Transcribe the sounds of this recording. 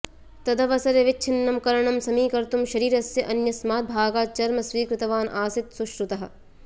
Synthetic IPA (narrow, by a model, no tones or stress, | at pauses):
t̪ɐd̪ɐʋɐsɐɾɐʋɪtːt͡ʃʰinːɐmkɐɾɐɳɐmsɐmiːkɐɾt̪umʃɐɾiːɾɐsjɐʔɐnjɐsmaːt̪̚bʱaːɡaːt͡ʃɐɾmɐsʋiːkɾɪt̪ɐʋaːnʔaːsɪt̪suʃɾut̪ɐɦɐ̆